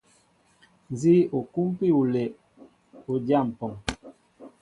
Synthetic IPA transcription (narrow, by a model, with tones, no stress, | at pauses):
n˨zi˦o˨ku˦m˦pi˦˨u˨le˨ʔ | u˨dja˦˨m̩˨pɔ˨ŋ